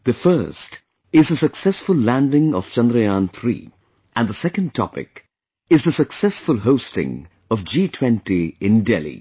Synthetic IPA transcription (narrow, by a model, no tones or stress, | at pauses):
ðɨfɜ˞st | ɪzðəsəksɛsfʊllæ̃ndɪ̃ŋɔ̰v̥t͡ʃʌ̃nd̪ɾəjãnt̪ʰɾḭː | ʔə̃nðəsɛkə̃nɖtʰɔ̰pɪ̰k | ɪzðəsəksɛsfʊlˠɦoʊstɪ̰̃ŋ | ʌvd͡ʒiːtʰw̥ɛ̃ntiɪ̃ndɛ̰lˠḭ